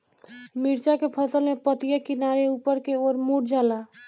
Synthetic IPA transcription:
miɾt͡ʃakepʰəsəlmepət̪ijakinaɾeupəɾkeoɾmuʈd͡ʒala

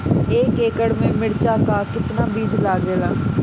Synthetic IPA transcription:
eːkeːkəɽmẽmɪɽt͡ʃakakɪt̪naːbiːd͡ʒʱlaːɡeːlaː

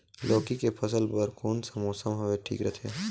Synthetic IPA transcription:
loːkikepʰɐsəlbəɾkoːnsɐmoːsəmɦɐʋeʈʰḭːkɾɛt̪ʰḛ

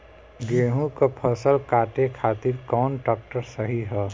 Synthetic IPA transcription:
ɡeːɦũkapʰəsəlkaːʈekʰaːt̪ɪɾkɔːnʈɔːk̚ʈəɾsəɦiɦɛː

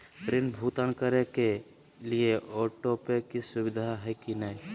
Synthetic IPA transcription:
pɾɪnbʱut̪ankəɾeke | lieʔɔːʈopekisʊbɪd̪ʱaɦɛkinaj

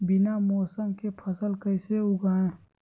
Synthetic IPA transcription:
bɪnamɔːsəmkepʰəsəlkəɪseʊɡaẽː

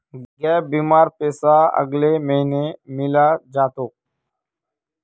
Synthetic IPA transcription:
ɡɛːbiːmaːɾpeːsaːə̰ɡleːməɦinemɪlaːd͡ʒaːt̪oː

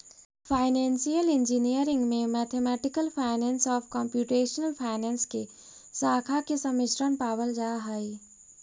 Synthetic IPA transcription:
pʰaːɪnɛːnsijəlɪ̃nd͡ʒinijəɾɪ̃ŋɡmẽmɛːt̪ʰemɛːʈɪkəlpʰaːɪnɛ̃ːnsɔːpʰkɔ̃ːmpjuːʈeːʃənəlpʰaːɪnɛːnske | saːkʰakesɐmɪʃɾənpaːbəld͡ʒaːɦəi

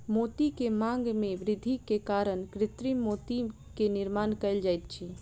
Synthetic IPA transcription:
mot̪ikemãŋɡmeʋɾɪd̪ʱikekaɾənkɾɪt̪ɾimot̪i | kenɪɾmankəɪld͡ʒajt̪̚t͡ʃʰi

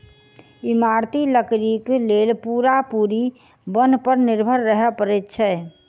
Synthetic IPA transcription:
ɪmaːɾt̪iləkɾikleːlpuːɾapuːɾi | bənpəɾnɪɾbʱəɾːəɦɛpəɾɛtt͡ʃʰɛ

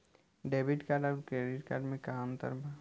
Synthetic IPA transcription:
ɖeːbʱɪʈkaːɾɖɔːɾkɾeːɖɪʈkaːɾɖmẽkamt̪ə̰ɾbʱa

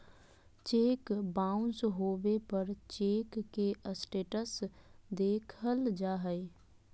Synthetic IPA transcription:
t͡ʃeːkbaːʊ̃nsɦoːʋepəɾt͡ʃeːkːeʔəsʈeːʈəsd̪eːkʰəld͡ʒaːɦəe

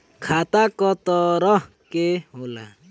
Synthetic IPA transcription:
kʰat̪akɔt̪ɔɾɔɦ | keɦola̰

